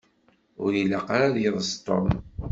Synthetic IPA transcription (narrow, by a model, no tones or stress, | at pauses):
ʊɾilaqɾaðjəðˤəst̪ˤo̰m